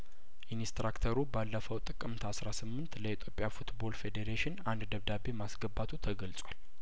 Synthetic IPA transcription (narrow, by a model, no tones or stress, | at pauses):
ʔinist̪ɾakt̪ʰəɾubalːəfəwt̪ʼɨkʼɨmt̪ʰasɾasɨmːɨnt̪ləit̪ʰjo̞pʼjafut̪bo̞lfe̞d̪eɾeʃɪnand̪d̪əβd̪abe̞masɡəbːat̪ʰut̪ʰəɡəlt͡sʼwal